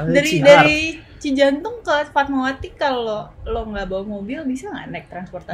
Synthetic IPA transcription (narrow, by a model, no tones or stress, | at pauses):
daɾidaɾi | t͡ʃid͡ʒant̪ʊŋkəfat̪̚mowat̪ikaloloŋɡabawamobilbisaŋɡa̰ʔnɛk̚t̪ɾanspɔrt̪a